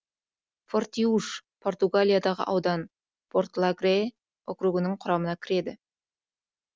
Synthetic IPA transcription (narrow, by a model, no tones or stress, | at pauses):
fo̞rt̪iuʃpʰo̞rt̪uɡalʲijad̪ɑʁə̰ʔɑwd̪ɑn | pʰo̞rt̪lˠaɡɾe | okɾuɡənəɴqʰʊɾɑmənɑkʲʰɪɾe̞d̪ɪ